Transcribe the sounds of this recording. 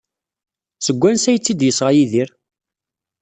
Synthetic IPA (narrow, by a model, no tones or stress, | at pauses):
səɡʷːænsæjət͡sːid̪jəsʁajiðiɾ